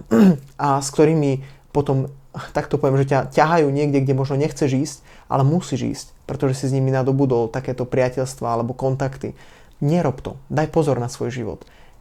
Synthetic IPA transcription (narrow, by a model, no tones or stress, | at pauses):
ʔaskt̪ɔɾiːmipɔt̪ɔmt̪akt̪ɔpɔʋɛmʒɛcacaɦajuːɲɪɛɡɟɛɡɟɛmɔʒnɔɲɛxt͡sɛʒiːsc | ʔa̰lɛmusiʒḭːscpɾɛt̪ɔʒɛsizɲiminad̪ɔbud̪ɔlt̪akɛːt̪ɔpɾɪacɛʎst̪ʋaalɛbɔkɔnt̪akt̪ḭ | ɲɛɾɔpt̪ɔ̰d̪ajpɔzɔɾnasʋɔjʒiʋɔ̰t̪